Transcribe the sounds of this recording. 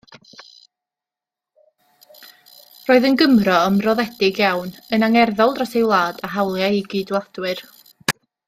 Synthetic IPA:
roːɨðənɡəmrɔəmrɔðɛdɪɡjawnənaŋɛrðɔlˠdrasejwlˠaːd̥aɦawlˠjaiɡɨdwlˠad̥wɨr

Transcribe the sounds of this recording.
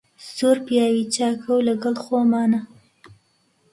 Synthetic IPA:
soɾpjɑwit͡ʃɑkʰawlaɡəlxomɑːna

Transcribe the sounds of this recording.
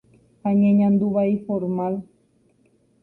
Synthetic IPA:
aɲeɲãnd̪uβajfoɾmal

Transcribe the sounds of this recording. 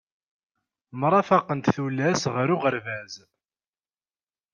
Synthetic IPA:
mɾˤɑfɑqənt̪θulːæsʁəɾuʁəɾvæz

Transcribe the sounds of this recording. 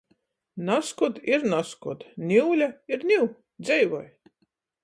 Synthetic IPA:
naskɔd̪iɾnaskɔd̪nʲiwlʲaiɾnʲiw | d̪zʲɛjvɔj

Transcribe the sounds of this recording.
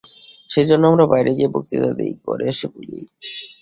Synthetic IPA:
ʃed͡ʑonːoamɾabajɾʔeɡiebo̰kt̪it̪a̰d̪ḛjko̰ɾeʃebulḭj

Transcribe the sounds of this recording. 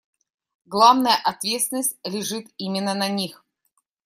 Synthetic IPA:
ɡlˠavnəjəʔɐt̪vʲet̪sʲɪnəsʲtʲlʲɪʐɨt̪imʲɪnːənɐnʲix

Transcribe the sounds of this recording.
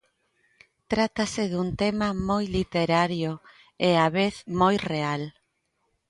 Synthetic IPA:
t̪ɾat̪asɪðunt̪emɐmojlit̪eɾaɾjʊ | eaβeθmojreal

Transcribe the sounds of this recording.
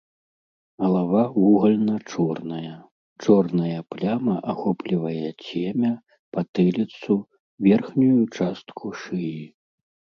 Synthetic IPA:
ɣɐlˠavavuɣɐlʲnɐt͡ʂɔrnɐjɐ | t͡ʂɔrnɐjɐplʲamɐʔaxɔplʲivɐjɐt͡sʲemʲɐ | pat̪ɨlʲit̪su | vʲɛrxnʲujut͡ʂast̪kʰuʂɨji

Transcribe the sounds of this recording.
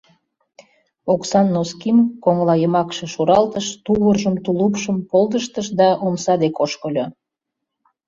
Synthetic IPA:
oksɑnːoskimkoŋlˠɑjəmɑkʃĕʃuɾɑlt̪əʃt̪uβərʒəmt̪ulupʃəmpolˠd̪əʃt̪əʃd̪ɑʔomsɑd̪ekoʃkəlʲo

